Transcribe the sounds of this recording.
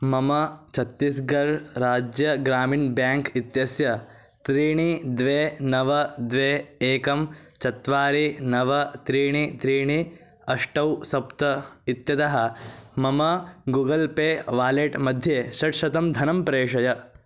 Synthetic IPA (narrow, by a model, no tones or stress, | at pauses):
mɐmɐt͡ʃʰɐt̪ːisɡɐɾɾaːd͡ʒjɐɡɾaːmiːnbjaːŋkit̪jɐsjɐ | t̪ɾiːɳid̪ʋeːnɐʋɐd̪ʋeːeːkɐmt͡ʃɐt̪ʋaːɾinɐʋɐt̪ɾiːɳit̪ɾiːɳi | ɐʂʈɐwsɐpt̪ɐit̪jɐt̪ɐɦɐ̆mɐmɐɡuːɡɐlpeːʋaːleːʈmɐd̪ʱjeːʃɐʈʃɐt̪ɐmd̪ʱɐnɐmpɾeːʂɐjɐ